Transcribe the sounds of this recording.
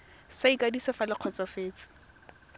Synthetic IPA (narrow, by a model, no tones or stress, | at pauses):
saikʼadisɔfalɪq͡χʰɔt͡sɔfeːt͡sʼɪ̥